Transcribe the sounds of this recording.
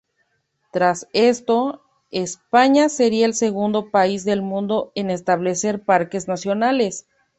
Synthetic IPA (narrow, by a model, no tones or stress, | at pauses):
t̪ɾase̞st̪o̞ | e̞spaɲase̞ɾiaelse̞ɣũnd̪o̞paizðe̞lmũnd̪o̞e̞ne̞st̪aβle̞se̞ɾpaɾke̞znasjo̞nale̞s